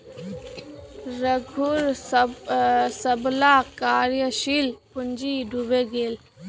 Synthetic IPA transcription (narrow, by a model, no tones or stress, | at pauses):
ɾəɡʱuɾ | səblakaːɾjəʃilpʊnd͡ʒiɖʱubeɡeːl